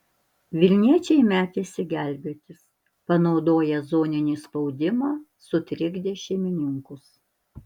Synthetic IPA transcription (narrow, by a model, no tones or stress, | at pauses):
ʋʲɪlʲnʲiɛt͡ʃʲɛɪmʲæːt̪ʲeːsʲɪɡʲælʲbʲeːt̪ʲɪs | pɐnɒʊd̪oːjɛzoːnʲɪnʲiːspɔʊd̪ʲɪmɑː | sʊt̪ʲɾʲɪɡd̪ʲeːʃʲɛɪmʲɪnʲɪŋkʊs